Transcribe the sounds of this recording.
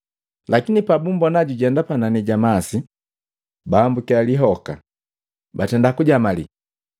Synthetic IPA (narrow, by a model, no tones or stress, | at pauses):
lakinipabumbɔnaɟuɟɛndapananiɟamasi | baːmbukialiɦɔka | batɛndakuɟamalḭ